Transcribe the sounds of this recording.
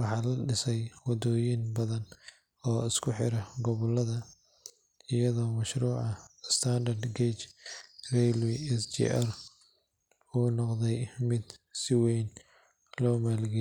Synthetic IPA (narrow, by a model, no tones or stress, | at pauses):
wɑħɑːlɐɖɪsɛjwɑd̪ɔːjinbɐðɐn | ɔːɪskʰʊħɪɾɐɡɔβɔlɐðɐ | ɪjɐðɔːmɐʃɾuːʕɑɪst̪ʰand̪ɐrd̪ɡet͡ʃrɛlwiɛsd͡ʒḭʔɐr | uːnɔqd̪ɛjmɪd̪sɪwɛjn | lɔːmaːlɡɛ